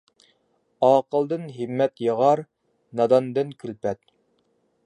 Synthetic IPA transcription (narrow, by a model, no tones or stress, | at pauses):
ɑːqəlˠd̪ɨnɦimːɛt̪jəʁɑɾ | nɑd̪ɑnd̪ɨnkʲʰylpɛt̪̚